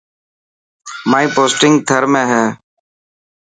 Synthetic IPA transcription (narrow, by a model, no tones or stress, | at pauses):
maːĩːpoːsʈɪŋɡt̪ʰəɾmẽːɦɛː